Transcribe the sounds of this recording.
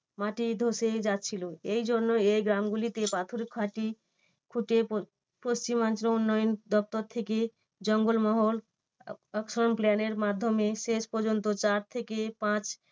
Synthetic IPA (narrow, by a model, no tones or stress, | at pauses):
maʈid̪ʱosed͡ʒat̪̚t͡ʃʰilueid͡ʒoɾnoeɡɾamɡulit̪epat̪ʰuɾekʰaʈi | kʰuʈe | post͡ʃimãnt͡ʃɾounːɔjnd̪ɔp̚t̪ɔɾt̪ʰeke | d͡ʒəŋɡolmɔɦol | əksəɾɔnplaneɾmad̪ʱːɔmːesespɔɾd͡ʒont̪ot͡ʃaɾt̪ʰekepãt͡ʃ